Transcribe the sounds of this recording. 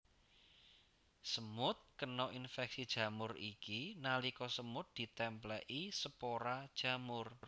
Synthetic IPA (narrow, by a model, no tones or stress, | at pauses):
səmʊt̪̚kənɔʔinfɛksid̥ʒ̥ä̤mʊrikinalikɔsəmʊt̪̚d̪̥i̤t̪ɛmplɛʔisəpoɾad̥ʒ̥ä̤mʊr